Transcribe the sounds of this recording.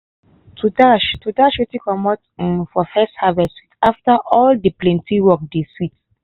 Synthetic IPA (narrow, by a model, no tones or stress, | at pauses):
tʰutaʃtutaʃetikɔmɔtnfɔfɛshavɛsitaftaʔɔldiplɛ̃ntʰĩwɔk̚desit